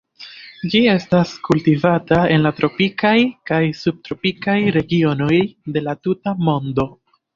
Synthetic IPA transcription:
d͡ʒie̞staskultivatae̞nlatɾo̞pikajkajsub̚tɾo̞pikajɾe̞ɡio̞no̞jde̞latutamo̞ndo̞

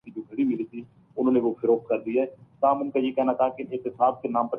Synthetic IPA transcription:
id͡ʒoːɡʱəɽiːmɪliːt̪ʰiː | ʊn̤õːnẽːʋoːpʰɪɾoːkkəɾd̪iːɛɛːt̪ãːmʊnkajeːkɛːɦnaːt̪ʰaːkeʔɪt̪ɪsaːs̚kenãːmpə

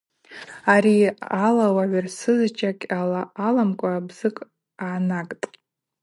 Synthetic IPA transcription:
aɾialawaʕʷarsɨzt͡ʃʰʼakʲʼalaːlamkʷʼaːbzɨkʼ | aːnakʼtʼ

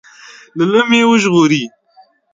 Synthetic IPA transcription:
lələmewəʒɣuɾiː

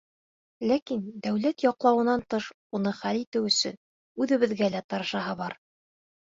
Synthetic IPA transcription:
lækind̪æwlæt̪jɒqlˠɑwɤ̆nɑnt̪ɤʃ | unɤχælit̪ɘwɵ̆sɵ̰n | ʉðɘ̆βɘ̆ðɡælæt̪ɑɾɤ̆ʃɑɦɑβɑɾ

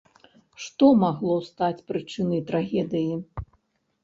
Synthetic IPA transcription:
ʂt̪ɔmaɣlˠɔwst̪at͡sʲpɾɨt͡ʂɨnɐjt̪ɾaɣʲɛd̪ɨji

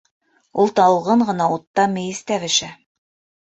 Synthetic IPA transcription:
ulˠt̪ɑwʁɤɴɢɤ̆nɑut̪ːɑmɘ̆jɘ̆st̪æβɘ̆ʃæ

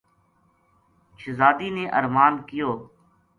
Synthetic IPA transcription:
ʃʰɪzaːd̪iːneːʔəɾmaːnkɪjoː

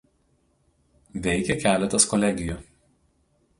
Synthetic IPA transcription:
ʋʲɛɪkʲɛkʲæːlʲɛt̪ɐskɔlʲɛɡʲɪjuːˑ

